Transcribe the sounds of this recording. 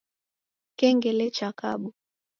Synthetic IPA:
kɛŋɡɛlɛt͡ʃaka̰ɓu

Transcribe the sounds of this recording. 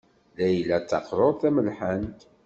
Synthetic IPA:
læjlːæt͡sːɑ̰qɾˤoɾˤθæməlħant̪

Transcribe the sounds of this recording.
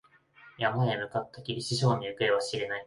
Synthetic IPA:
jamaemɯ̟kat̪ːakʲiɾʲiɕiɕo̞ːɲ̟iɯ̟kɯ̟eβaɕiɾe̞nai

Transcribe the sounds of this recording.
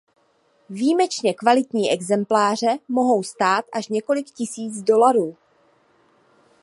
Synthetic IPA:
viːmɛt͡ʃɲɛkvalɪt̪ɲiːʔɛɡzɛmplaːr̝ɛmo̞ɦo̞wst̪aːt̪ʔaʃɲɛko̞lɪkcɪsiːd͡zdo̞laɾuː

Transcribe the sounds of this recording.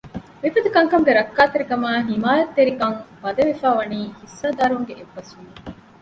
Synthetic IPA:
mifɐd̪ukɐŋkɐmɡeɾɐkːaːt̪eɾikɐmaːɦimaːjɐt̪ːeɾikɐŋmɐd̪ɐʋefaːʋɐniːhisːaːd̪aːɾŋɡeʔebːɐsu

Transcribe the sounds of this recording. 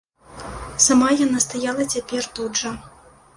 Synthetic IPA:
samajanast̪ajalˠɐt͡sʲapʲɛrt̪udʐɐ

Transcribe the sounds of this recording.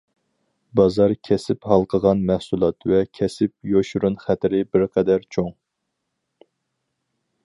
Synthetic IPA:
bɑzɑɾkʲʰɛsɪphɑlˠqʰəʁɑnmæhsulˠɑt̪vɛkʲʰɛsɪp̚joʃuɾunχæt̪ɪɾɪbɪɾqʰɛd̪æɾt͡ʃʰoŋ

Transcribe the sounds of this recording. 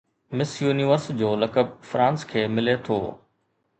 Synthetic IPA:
mɪsjuːniʋəɾsd͡ʑoːlɐkəb̚fɾãːnskʰeːmɪlet̪ʰo̰ː

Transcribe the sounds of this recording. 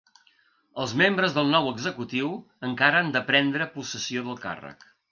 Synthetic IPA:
əlˠzmembɾəzðəlˠnɔwəɡzəkut̪iw | əŋkaɾənd̪əpɾɛnd̪ɾəpusəsioðəlˠka̰rə̰k

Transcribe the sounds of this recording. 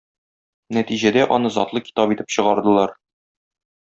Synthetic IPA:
næt̪iʑæd̪æʔɒnɤzɒt̪lˠɤki̥t̪ɑpit̪ɘ̥pɕɤ̆ʁɑɾd̪ɤ̆lˠɑɾ

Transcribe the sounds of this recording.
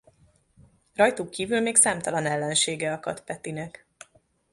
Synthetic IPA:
rɒjt̪ukːiːvylmeːksaːmt̪ɒlɒnɛlːɛnʃeːɡɛɒkɒ̰t̪pɛt̪inɛk

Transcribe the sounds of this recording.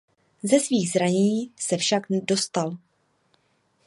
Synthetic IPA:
zɛsviːɣzɾaɲisɛfʃaɡdo̞st̪al

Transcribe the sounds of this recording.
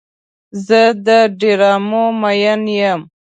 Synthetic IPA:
zəd̪əɖiɾɑːmomajanjəm

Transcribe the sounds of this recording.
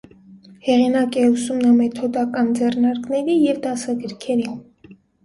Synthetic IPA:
hɛʁinɑkɛusumnɑmɛt̪ʰɔd̪ɑkɑnd͡zɛrnɑɾknɛɾijɛvd̪ɑsɑɡəɾkʰɛɾi

